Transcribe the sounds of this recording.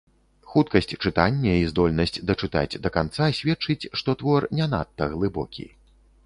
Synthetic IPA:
xut̪kɐsʲt͡sʲt͡ʂɨt̪anʲːɐizd̪ɔlʲnɐsʲt͡sʲd̪ɐt͡ʂɨt̪a̰d͡zʲd̪ɐkant̪sasʲvʲɛt͡ʂɨt͡sʲʂt̪ɔt̪vɔrnʲɛna̰t̪ːɐɣlˠɨbɔ̰kʲḭ

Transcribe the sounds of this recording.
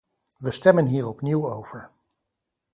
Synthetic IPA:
ʋəstɛmənɦiːɹɔpniwowv̥əɹ

